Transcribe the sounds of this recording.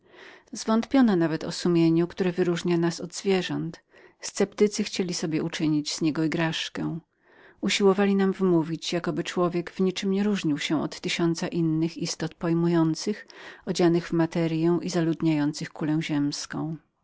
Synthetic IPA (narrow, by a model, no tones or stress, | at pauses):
zvɔnt̪pʲjɔnɔnavɛt̪ɔ̰sumʲjeɲukt̪uɾɛvɘɾuʐɲanasɔd̪zvʲjɛʐɔnt̪ | st̪sɛpt̪ɘt̪sɘxt͡ɕelʲisɔbʲjɛut͡ʂɘɲid͡ʑz̥ɲɛɡɔiɡɾaʂkɛw | uɕiwɔvalʲinamvmuvʲit͡ɕjakɔbɘt͡ʂwɔvʲjɛɡv̥ɲit͡ʂɘmɲɛɾuʐɲiwɕɛ̃ɔt̪ːɘɕɔnt̪saʔinːɘxist̪ɔt̪pɔjmujɔnt̪sɘxɔd͡ʑanɘɣvmat̪ɛɾjɛw̃ʔizalud̪ɲajɔnt̪sɘxkulɛw̃ʑɛmskɔ̃w̃